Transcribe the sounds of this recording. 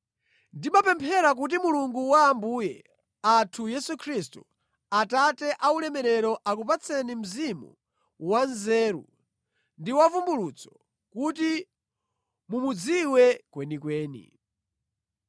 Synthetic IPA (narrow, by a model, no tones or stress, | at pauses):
ndimapɛmpʰɛɾak̬ut̬imuluŋɡuwaːmbuːjɛ | atʰujɛsukʰɾistṵ | atatɛʔaulɛmɛɾɛɾɔʔakupat͡sʰɛnim̩zimṵ | wanzɛːɾṵ | ndiwavumbulut͡sʰɔ̥ | kuti | mumud͡ziwɛkwɛnikwɛːnḭ